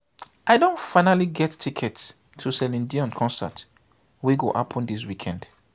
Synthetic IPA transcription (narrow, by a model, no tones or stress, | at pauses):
ʔaɪdõntfãɪnaliɡɛtːʰikʰɛtsʰ | usɛlĩndiɔ̃nkʰɔ̃nsə̰t | wiɡoʔapʰɔ̃ndis̬wikʰɛ̃nd̥